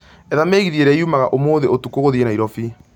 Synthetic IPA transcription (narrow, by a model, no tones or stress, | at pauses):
ɛðameːɣiðeɾɛiumaɣaʔomoːðeotukoɣoðienaiɾɔfi